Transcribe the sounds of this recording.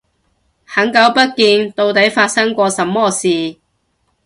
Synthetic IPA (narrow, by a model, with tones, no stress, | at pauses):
hɐ˨˥ŋkɐ˨˥wpɐ˥t̚kiː˧nt̪o˧wt̪ɐ˨˥jfaː˧t̚sɐ˥ŋkʷɔː˧sɐ˨˧˥mːɔː˥siː˨